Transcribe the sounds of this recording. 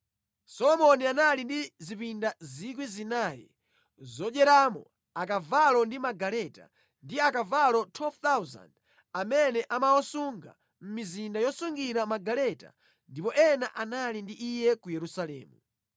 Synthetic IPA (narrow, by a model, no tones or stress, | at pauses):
sɔlɔmɔnianalindizipindazikwizinajɛ̰ | zɔɗɛɾamɔ̰ | akavalɔndimaɡalɛta̰ | ndiakavalɔtʰwɛlvt̪awza̰nd | amɛnɛʔamawɔsuŋɡa̰ | m̩mizindajɔsuŋɡiɾamaɡalɛta̰ | ndipɔʔɛnaʔanalindiʔijɛkujɛɾusalɛ̰ːmu